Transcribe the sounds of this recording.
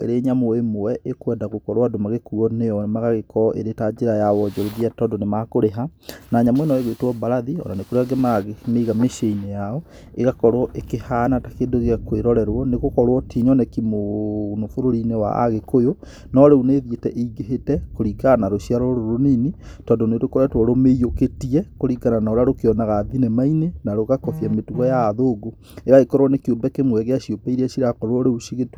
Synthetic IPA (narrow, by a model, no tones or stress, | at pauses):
ḛɾeːɲamoemowɛʔekwɛndaɣokɔɾwadomaɣekuɔnejɔmaɣaɣekɔʔḛɾetad͡ʑeɾajawɔd͡ʒɔɾeðiatɔdonemakoɾeɦanaɲamoenɔeɣwetwɔbaɾaðiɔ̰nanekoɾeaɡemaɣmeiɣameʃeinejaɔ | eɣakɔɾwɔʔekehanatakeːndoɣeɣakweɾɔɾɛɾwɔneɣokɔɾwɔtiɲɔnɛkimonofoɾoɾinewa̰ʔa̰ɣekojo | nɔɾeuneðjetɛʔeiɡeɦetɛkoɾikanaɾoʃiaɾɔɾoɾoninitɔːndonetokɔɾatwɔɾomeijoketiɛkoɾikananaoɾaɾokeɔnaɣaːðinɛmainenaɾoɣakɔθjametuɣɔjaːðoɡo | eɣaekɔɾwɔnekiombɛkemwɛɣeaɕjopaiɾeaɕiɾakɔɾwɔɾeuʃiɣet